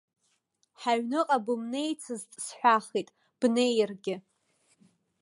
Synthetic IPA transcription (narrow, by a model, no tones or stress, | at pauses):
ħaɥnɨqʼabɨmne̞jt͡sʰɨztʼsħʷᶣaχitʼ | b̥ne̞jrɡʲɪ